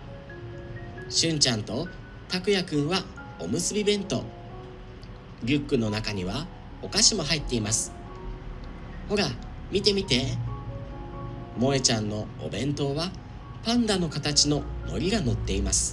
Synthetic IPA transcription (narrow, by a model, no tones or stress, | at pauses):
ɕɨ̃ɲ̟t͡ɕãnt̪o̞ | t̪akɯ̟jakɯ̟̃ɰ̃βa | o̰mɯ̟sɨbʲibẽ̞nt̪o̞̰ | ɾʲɯkːɯ̟no̞nakaɲ̟iβ̞a | o̞kaɕimo̞ɦait̪ːe̞imasɨ̥ | ho̞ɾamʲit̪e̞mʲit̪e̞ | mo̞et͡ɕãnːo̞o̰bẽ̞nt̪o̞βa | pãnd̪ano̞kat̪at͡ɕino̞no̞̰ɾʲiɡano̞t̪ːe̞imasɨ̥